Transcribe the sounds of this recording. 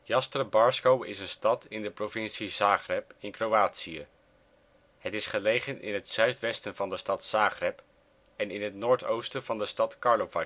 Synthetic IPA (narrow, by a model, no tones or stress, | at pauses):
jɑstrəbɑɹskowɪsənstɑtʰɪndəprovɪntsizaːχrɛpɪnkrowaːtsiə̰ | hətɪsχəlejχənʔɪ̰nɦətsœɥtʋɛstənvɑndəstɑtsaːχrɛp | ɛnɪnɦətnʊːɹtowstənv̥ɑndəstɑtkɑɹlovɑ